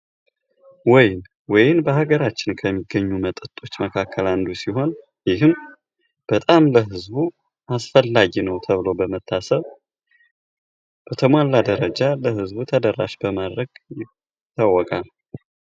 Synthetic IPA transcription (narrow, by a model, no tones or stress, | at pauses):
wɔjɪn | wɔjɪnbəhaɡəɾat͡ʃːɪnkʰəmːiɡːəɲːumət̪ʼɨt̪ʼo̞t͡ʃːməkʰakʰːəland̪usiɦo̞n | jɪhɨm | b̥ət̪ʼamləɦɨzbu | ʔasfəlːaɡinəwt̪ʰəβɨlo̞bəmət̪ʰːasəβ | b̥ət̪ʰəmwalːad̪əɾəd͡ʒaləhɨzbut̪ʰəd̪ərːa̰ʃbəmad̪ɾəɡjɪ | t̪ʰːawːɔkʼal